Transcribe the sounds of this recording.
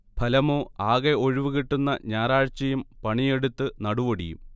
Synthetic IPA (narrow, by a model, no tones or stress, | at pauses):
pʰɐlɐmoːaːɣeo̞ɻiʋɨɣiʈːunːɐ̰ɲaːɾaːɻt͡ɕːɐjumpɐɳije̞ɽut̪ːɨnɐɽuʋoɽḭjṵm